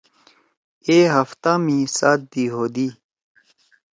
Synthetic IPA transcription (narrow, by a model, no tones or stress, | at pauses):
eːɦɐft̪amĩsaːt̪̚d̪iːɦoːd̪iː